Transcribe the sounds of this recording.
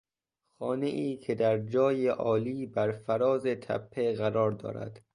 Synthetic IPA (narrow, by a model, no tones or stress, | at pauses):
xɒːneʔiːcʰed̪æɾd͡ʒɒːjeʔɒːliːbæɾfæɾɒːzet̪ʰæ̰pʰːeɣæɾɒːɾd̪ɒ̰ːɾæ̰d̪̥